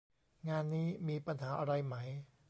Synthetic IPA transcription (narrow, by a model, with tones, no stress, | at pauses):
ŋaː˧nːiː˦˥miː˧pa˧nɦaː˩˦ʔa˧ɾa˧jma˦˥j